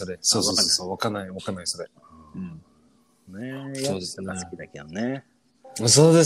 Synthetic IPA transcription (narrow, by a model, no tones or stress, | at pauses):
so̞ɾeso̞ːsoːosoβakanːaiβakanːaiso̞ɾe̞ | noːskʲid̪aked̪one | so̞ːd̪e̞